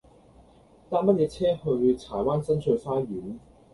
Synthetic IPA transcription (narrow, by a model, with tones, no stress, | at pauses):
t̪aː˥mɐ˥t̚jɛː˨˧t͡sʰɛː˥hɵ˧ɥt͡sʰaː˨˩waː˥nsɐ˥nsʰɵ˨˧ɥfaː˥ɥyː˨˥n